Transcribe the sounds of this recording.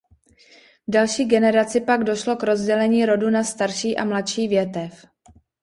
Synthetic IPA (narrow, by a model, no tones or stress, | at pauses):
dalʃiːɡɛnɛɾat͡sɪpaɡdo̞ʃlo̞kɾo̞zɟɛlɛɲiːɾo̞dunast̪aɾʃiːʔa̰mlat̪ʃiːvjɛt̪ɛf